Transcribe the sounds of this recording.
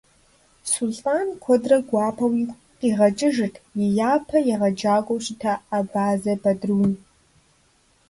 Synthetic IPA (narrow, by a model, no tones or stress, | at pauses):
sulɬʼaːnkʷʰɔdrɐɡʷaːpʰɐwi | qiʁɐt͡ʃʼɪʒɨtʰjɪjaːpʰɐjɛʁɐd͡ʒaːkʷʼɔwʃɪtʰɐːbaːzɐbɐdruːn